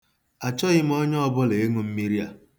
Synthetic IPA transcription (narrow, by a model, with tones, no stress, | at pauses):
a˨t͡ʃɔ˦ɣɪ˦m̩˦ɔ˦ɲ˦ɔ˦bʊ˦le˨e˦ŋu˨m̩˦mi˦ɾi˦a̰˨